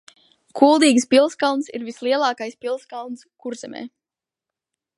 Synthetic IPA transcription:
kʰulˠd̪iːɡspilˠskalˠnsḭɾvislˠiɛlˠaːkajspilˠskalˠnskuɾzɛmɛ̰ː

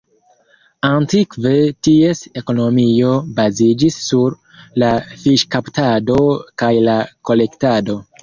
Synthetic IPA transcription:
antikve̞tie̞se̞ko̞no̞mio̞bazid͡ʒisːuɾ | lafiʃkaptado̞kajlako̞le̞ktado̞

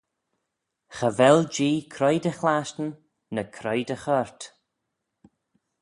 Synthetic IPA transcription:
xəvɛld͡ʒiːkʰɾɔjdəxlaʃtən | nəkʰɾɔjdəxɔɹt̪

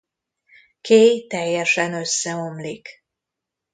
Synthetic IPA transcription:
keːjt̪ɛjːɛʃɛnø̞sːɛo̞mlik

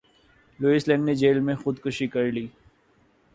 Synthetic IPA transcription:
luːislɛ̃ːɳɖned͡ʒeːlmẽxʊd̪kʊʃikɐɾliː

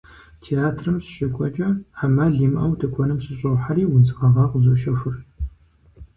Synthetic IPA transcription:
tʰeaːtʰrɨmɕɕʼɐkʷʼɔt͡ʃʼɐħamaɮiːmʔɐwdʰɐkʷʰɔnɨmɕɪɕʼɐwħaɾiːwʊt͡sɨqɐʁɑqzuʃɐʂʷʊr

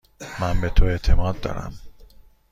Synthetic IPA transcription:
mænbet̪ʰoe̞ʔt̪ʰe̞mɒːd̪̚ːɒ̰ːɾæ̰m

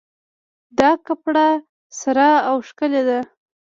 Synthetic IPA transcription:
d̪ɑkapɽa | saɾɑːwʃkəled̪a

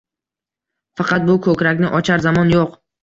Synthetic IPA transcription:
fɑqʰɑt̪̚bʊkʰɵkʲɾakʲnɪʔɒt͡ʃʰaɾzamɒnjoq

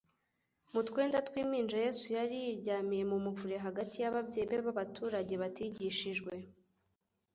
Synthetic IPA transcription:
mutwe̞ːndatwiːmiːnd͡ʒaje̞sujaɾijiɾɟaːmije̞mumuvuɾe̞ɦaɡatijaβabjeβeβaβatʰuːɾaɟe̞βatiɟiʃiʒɡwe̞

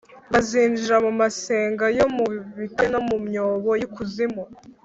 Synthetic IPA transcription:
βaziːnd͡ʒiɾamumase̞ːŋɡajo̞muβitano̞mumɲoːβo̞jukuzimo

